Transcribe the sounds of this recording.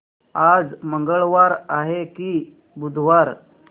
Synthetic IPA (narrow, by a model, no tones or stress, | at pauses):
ad͡zməŋɡəɭʋaɾaɦekiː | bud̪ʱʋaɾ